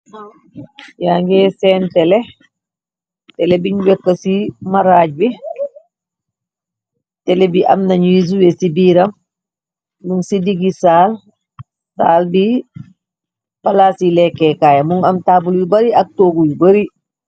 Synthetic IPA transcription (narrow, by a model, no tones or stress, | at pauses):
jaːŋɡɛsɛːntɛlɛ | tɛlɛbiɲwɛkːɐsimaɾaːɟ̚bi | tɛlɛbiʔɐ̰mnaɲiz̬uwɛsibiːɾɐm | muŋsidiɡisaːl | saːlbi | palasilɛkːɛkaːjamuŋɐmtaːbulbibɐɾiɐk̚toːɡujibɐɾi